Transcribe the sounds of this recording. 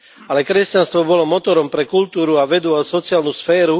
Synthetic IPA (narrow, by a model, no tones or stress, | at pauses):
alɛkɾɛscanst̪ʋɔbɔlɔmɔt̪ɔɾɔmpɾɛkult̪uːɾuaʋɛd̪uasɔt͡siaːlnusfɛːɾu